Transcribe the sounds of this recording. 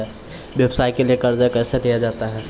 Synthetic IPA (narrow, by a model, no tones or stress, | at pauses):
ɛ | ʋjəbsaːikeliekɐɾd͡ʒaekɛːselijad͡ʒaːt̪aɦɛː